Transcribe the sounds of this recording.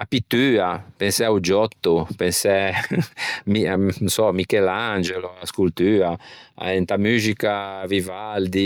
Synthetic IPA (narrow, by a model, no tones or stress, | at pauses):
apit̪ːyːapensɛaud͡ʒɔt̪ːupensɛ | minũsɔmikɛland͡ʒeloaskult̪yːaa̰ɛnt̪amyːzikavivald̪i